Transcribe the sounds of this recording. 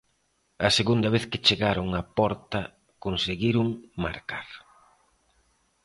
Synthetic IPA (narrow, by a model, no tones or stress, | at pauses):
ɐseɣund̪ɐβ̞eθkɪt͡ʃeɣaɾoŋɐpɔɾt̪ɐ | konseɣiɾuŋma̰ɾkaɾ